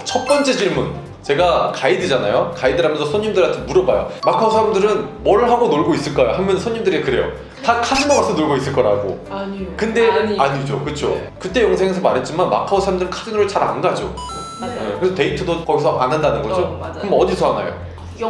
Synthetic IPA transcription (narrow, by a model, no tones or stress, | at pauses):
t͡ɕʰʌt̚p͈ʌnt͡ɕ͈e̞ɕiɭmun | t͡ɕe̞ɡakaidɯd͡ʑana̰jokaidɯɾɦamjʌnsʰʌsʰoɲːimdɯɾatʰemuɾʌbajo̰makʰaosʰaɾamdɯɾɯnmwʌɾɯɭɦaɡonoɭɡois͈ɯɭk͈ajoɦamjʌnsʰoɲːimdɯɾekɯɾe̞jo̰ | takʰad͡ʑɯmamas͈ʰʌnoɭɡois͈ɯɭk͈ʌɾa̰ɡo̰kɯnde̞aɲid͡ʑo̰kɯt͡ɕʰo̰ | kɯt͈e̞jʌŋsʰe̞ŋe̞s̬ʰʌmaɾɦe̞t̚t͡ɕ͈imanma̰kʰaosʰaɾamdɯɾɯnkʰad͡ʑinoɾɭt͡ɕaɾa̰nɡad͡ʑo̰ | ekɯɾesʰʌte̞itʰɯdokʌɡisʰʌʔanːandanɯnɡʌd͡ʑokɯmʌdisʰʌɦana̰jo̰